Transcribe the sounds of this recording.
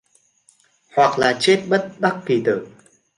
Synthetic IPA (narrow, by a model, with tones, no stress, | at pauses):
hwa˨˩k̚laː˨˩t͡ɕe˦˥t̚ɓə˦˥t̚ɓa˦˥kːi˨˩t̪ɨ̰˧˩